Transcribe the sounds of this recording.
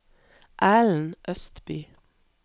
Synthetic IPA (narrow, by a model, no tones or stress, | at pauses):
ʔæːln̩ʔœst̪byː